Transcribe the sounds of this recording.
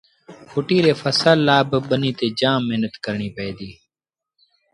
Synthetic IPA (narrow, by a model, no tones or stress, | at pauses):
fʰʊʈiːɾeːfəsaːlːaːbɓəniːt̪eːd͡ʒãːmːeɦnət̪kəɾɳiːpɛeːd̪iː